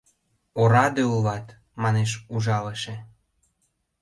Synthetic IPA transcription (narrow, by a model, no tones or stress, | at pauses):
oɾɑd̪eulβɑt̪ | mɑneʃuʒɑləʃe